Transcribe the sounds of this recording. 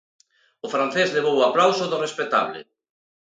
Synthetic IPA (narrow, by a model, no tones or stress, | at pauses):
ʊfɾan̟θezleβ̞owaplawsʊðʊrespet̪a̰βlḛ